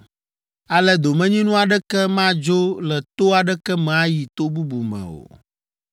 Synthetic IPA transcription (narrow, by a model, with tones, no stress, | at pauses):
a˨lɛ˦d̪o˨mɛ̃˦ɲĩ˦nũ˦a˨ɖɛ˦kɛ˦mã˦d͡ʒo˦lɛ˨t̪o˦a˨ɖɛ˦kɛ˦mɛ̃˨a˦ji˨t̪o˦bu˦bu˨mɛ̰̃˨o̰˨